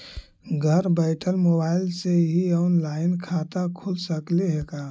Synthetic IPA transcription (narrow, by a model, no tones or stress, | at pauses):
ɡʱəɾbəɪʈʰəlmobaːɪlseɦiɔʊnlaːɪnkʰat̪akʰulsəkleɦekaː